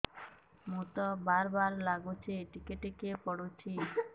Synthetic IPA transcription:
mut̪ɔbaɾbaɾlaɡot͡ɕʰeʈikeʈekepɔɽot͡ɕʰi

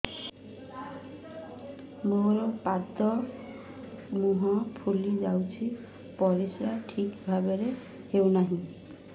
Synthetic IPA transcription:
moɾɔpad̪ɔ | muɦɔpʰulid͡ʒawt͡ʃʰi | pɔɾisɾaʈʰikbʱabeɾe | hewnaɦĩ

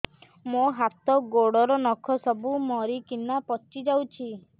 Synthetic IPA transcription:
moɦat̪ɔɡoɽɔɾɔnɔkʰɔsɔbumɔɾikinapɔt͡ʃid͡ʒawt͡ʃʰi

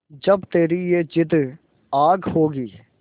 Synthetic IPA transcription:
d͡ʒɐbt̪eːɾijed͡ʒɪd̪ | aːɡhoːɡiː

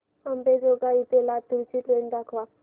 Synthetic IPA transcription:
ambed͡zoɡait̪elat̪uɾt͡ɕiʈ̪leɳd̪akʰʋa

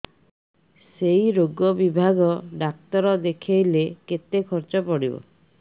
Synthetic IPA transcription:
sejɾoɡɔbibʱaɡɔɖak̚t̪ɔɾɔd̪ekʰejleket̪ekʰɔɾt͡ʃɔpɔɽibɔ̰

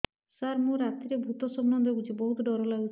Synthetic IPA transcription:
saɾmũɾat̪iɾebʱut̪ɔsɔbnɔnd̪ʱɔɡut͡ʃʰibɔɦut̪ɖɔɾɔlaɡut͡ʃʰ

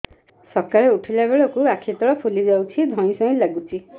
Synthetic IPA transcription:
sɔɾkaɭeuʈʰilabeɭɔkuakʰit̪ɔɭɔpʰulid͡ʒawt͡ʃʰid̪ʱɔ̃ĩsɔ̃ĩlaɡut͡ʃʰi

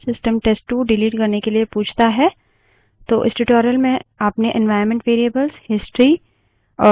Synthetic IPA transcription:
sɪsʈəmʈeːsʈːuːɖɪliːʈkɐɾnekeliepũːt͡ʃʰt̪aɦɛː | t̪oːʔɪsʈɪʈɔːɾiəlmẽɐpneʔɛ̃nʋaːɪɾmɛ̃ɳʈʋeːɾiəbəlzhɪsʈɾi | ɔː

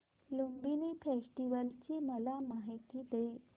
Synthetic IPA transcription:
lombinifesʈiʋəlt͡ɕiːməlamaɦit̪iːd̪e

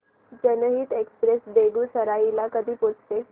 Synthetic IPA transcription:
d͡ʑənəɦiːt̪ekspɾesb̪eɡuːsəɾailakəd̪ʱiːpot͡sʰt̪e

